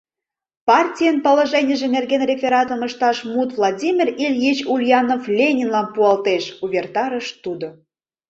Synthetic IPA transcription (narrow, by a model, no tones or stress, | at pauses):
pɑrtʲijənpoloʒenʲəʒĕmʲerɣenrʲefʲeɾɑt̪ə̆məʃt̪ɑʃmut̪vlˠɑdʲimʲirilʲjit͡ɕulʲjɑnoflʲenʲinlɑnpuɑlt̪eʃuβʲert̪ɑɾəʃt̪ud̪o